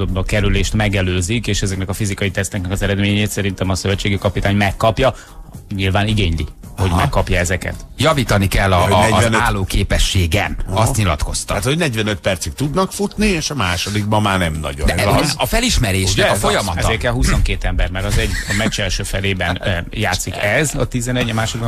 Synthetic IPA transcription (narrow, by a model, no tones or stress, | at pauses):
obbɒkɛɾyleːʃt̪mɛɡɛløːzikeːʃɛzɛknɛkɒfizikɒjit̪ɛst̪ɛknɛkɒzɛɾɛd̪meːɲeːt̪sɛɾint̪ɛmɒsø̞vɛt͡ʃːeːɡykɒpit̪aːɲmɛkːɒpjɒ | ɲilvaːniɡeːɲlḭ | ho̞ɟmɛ̰kːɒpjɒɛzɛkɛ̰t̪jɒviːt̪ɒnikɛlːɒɛznaːlːoːkeːpɛʃːeːɡɛ̰nɒst̪ɲilɒ̰t̪ko̞st̪ɒaːt̪hoɟnɛɟvɛnøt̪̚pɛrt̪sik̚t̪ud̪nɒkfut̪nieːʃɒmaːʃod̪iɡ̚bɒmːaːrnɛmnɒ̰ɟod̪ɛɒfɛliʃmɛɾeːʃɛfojɒmɒtɛzeːrkɛlɦuso̞ŋkeːt̪ɛmbɛrmɛɾɒzɛɟɒmɛt͡ʃɛlʃøːfɛleːbɛnjaːt̪sːikɛzɒt̪izɛnɛɟːɒmaːʃoiɡbɒ